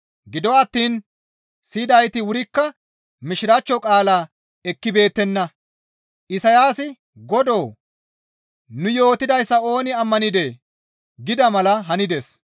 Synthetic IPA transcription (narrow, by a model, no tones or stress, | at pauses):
ɡɪd̪ɔɐt̪ːiːn | sid̪ɐjt̪ɪwʊɾɪkːɐ | mɪʃɪɾɐt͡ʃːɔkʼaːlaː | ɛkːɪbe̞ːt̪ːɛnːɐ | ʔɪsɐjaːsɪ | ɡɔd̪o̞ː | nʊjo̞ːt̪ɪd̪ɐjsːɐo̞ːnɪɐmːɐnɪd̪eː | ɡɪd̪ɐmɐlɐɦɐnɪd̪ɛs